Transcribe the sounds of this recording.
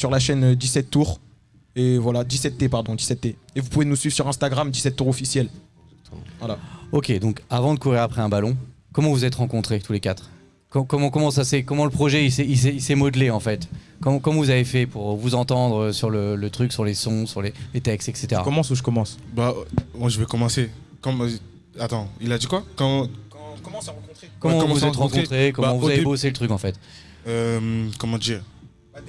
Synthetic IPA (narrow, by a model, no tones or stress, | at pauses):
syʁlaʃɛnd̪isɛt̪ːuʁ | evwalad̪isɛt̪̚ːepaʁd̪ɔ̃d̪isɛt̪ːeevupuvenusɥivsyʁɛ̃st̪aɡʁamd̪isɛt̪ːuʁɔfisjɛl | vwalaɔkʲed̪ɔ̃kavɑ̃d̪əkuʁiʁapχɛɛ̃balɔ̃ | kɔmɑ̃vuzɛt̪ʁɑ̃kɔ̃t̪χet̪ulekat̪χ | kɔkɔmɑ̃kɔmɑ̃sasɛkɔmɑ̃ləpχɔʒɛisɛis̬ɛisɛmɔd̪leɑ̃fɛt̪ | kɔmɑ̃kɔmɑ̃vuzavefɛpuʁvuzɑ̃t̪ɑ̃d̪ʁəsyʁlələt̪χyksyʁlesɔ̃syʁlelet̪ɛkst̪ɛkset̪eʁa̰kɔmɑ̃suʒəkɔmɑ̃sbamaʒəvɛkɔmɑ̃se | kɔm | at̪ɑ̃ilad̪ikwakɔɑ̃kɑ̃kt̪χekɔmɑ̃vvuzɛt̪ʁɑ̃k̪kɔ̃t̪χekɔmmɑ̃vuzaveboselət̪χykɑ̃fɛt̪ | ømkɔmɑ̃d̪iʁ